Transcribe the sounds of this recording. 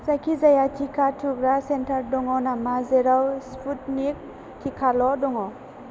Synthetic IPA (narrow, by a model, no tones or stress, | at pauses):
zakʰizajatʰikʰatʰuɡɾasentʰaɾdɔŋɔnamazeɾawspʰut̚nik̚ | tʰikʰalɔdɔŋɔ